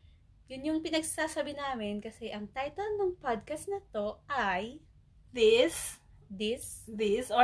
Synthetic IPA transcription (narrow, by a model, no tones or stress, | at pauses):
jʊnjʊŋpɪnɐɡssaːsɐbɪnaːmɪnkɐsɛʔɐŋt̪ajt̪ɐlnoŋpad̪̚kɐst̪nɐt̪o̞ʔaj | d̪ɪsd̪ɪsd̪is